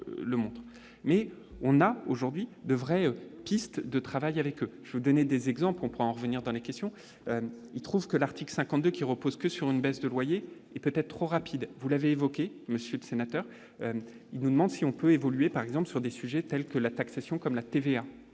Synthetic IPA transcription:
ləmɔ̃t̪χ | mɛɔ̃naoʒuʁd̪ɥid̪əvʁɛøpist̪d̪ət̪χavajavɛkøʒ̥vəvud̪ɔned̪ezɛɡzɑ̃plkɔ̃puʁɛɑ̃ʁəvəniʁd̪ɑ̃lekʲɛst̪jɔ̃ | øilt̪χuvkəlaʁt̪ikləsɛ̃kɑ̃t̪̚d̪økʲiʁəpozkəsyʁynbɛsd̪əlwaje | ɛpøt̪ɛt̪̚t̪χoʁapid̪vulaveːvɔkʲe | məsjøləsenat̪œʁ | ø | ilnud̪əmɑ̃d̪siɔ̃pøevɔlyepaʁɛɡzɑ̃plsyʁd̪esyʒɛt̪ɛlkəlat̪aksasjɔ̃kɔmlat̪evea

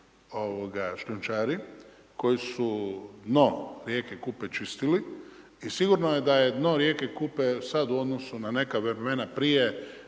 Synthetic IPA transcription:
o̞ʋoɡaʃlunt͡ʃaːɾi | ko̞jisud̪no̞ɾjekekupet͡ʃist̪ili | isiɡuɾnojed̪ajed̪no̞ɾje̞ːkekupesad̪uo̞d̪nosunane̞kaʋɾemenapɾije

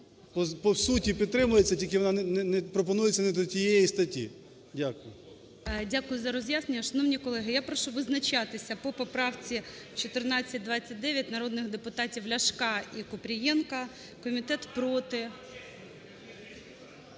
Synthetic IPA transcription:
pɔpɔwsutʲipʲid̪̚t̪ɾɪmʊjet͡sʲːɐtʲilʲkɪʋɔnɑnɛnɛnɛpɾɔp̬ɔnujet͡sʲːɐnɛd̪ɔtʲijɛjist̪ɐtʲḭ | dʲakʊjʊ | dʲakʊjʊzɐɾɔzʲjasnenʲːɐʃɐnɔwnʲikɔlˠɛɦɪjapɾɔʃuʋɪznɐt͡ʃɑt̪ɪsʲɐpɔpɔpɾɑwt͡sʲit͡ʃɔt̪ɪrnɑt͡sʲːɐt̚ʲd̪ʋɑt͡sʲːɐt̚ʲd̪ɛʋʲjɐt̚ʲnɐɾɔd̪nɪxd̪epʊt̪ɑtʲiwlʲɐʃkɑikʊpɾʲijɛnkɐ | kɔmʲit̪ɛt̪pɾɔt̪ɪ

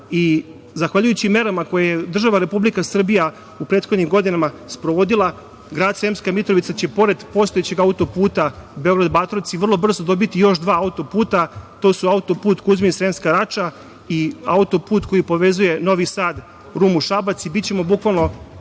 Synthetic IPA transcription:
i | zaxʋaʎujut͡ɕime̞ɾamako̞jajed̪r̩ʒaʋaɾe̞publikasr̩bija | upɾet̪xo̞d̪ɲimɡo̞d̪inama | spɾoʋo̞d̪ilˠa | ɡɾaːd̪sɾemskamit̪ɾoʋit̪sat͡ɕe̞po̞ɾe̞d̪po̞st̪o̞jet͡ɕe̞ɡaut̪o̞puːt̪abeo̞ɡɾad̪bat̪ɾosiʋr̩lˠo̞br̩zod̪o̞bit̪ijo̞ʃd̪ʋaːaut̪o̞puːt̪at̪o̞ːsuaut̪o̞puːt̪kuzmisɾe̞mskaɾat͡ʃa | iaut̪o̞puːt̪ko̞jipo̞ʋe̞zuje̞no̞ʋisaːd̪ | ɾuːmuʃabat̪sibitt͡ɕe̞mo̞bukʋalno̞

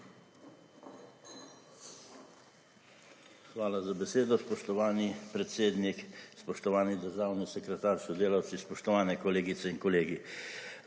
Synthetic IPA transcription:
xʋaːlazabɛseːd̪ɔspɔʃt̪ɔʋaːnipɾɛt̪seːd̪nikspɔʃt̪ɔʋaːnid̪əɾʒaːwnisɛkɾɛt̪aːɾsɔd̪eːlaw̪sispɔʃt̪ɔʋaːnɛkɔleːɡit̪sɛinkɔleːɡi

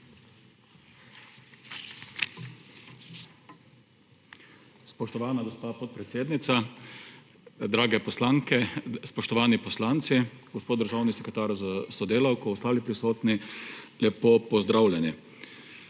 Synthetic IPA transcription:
spɔʃt̪ɔʋaːnad̪ɔst̪apɔt̪̚pɾɛt̪seːd̪nit̪sa | d̪ɾaːɡɛpɔslaːŋkɛspɔʃt̪ɔʋaːnipɔslaːnt̪siɡɔspoːd̪d̪əɾʒaːwnisɛkɾɛt̪aːɾzasɔd̪eːlawkɔɔst̪aːlipɾisoːt̪nilɛpopɔzd̪ɾawlʲjɛni

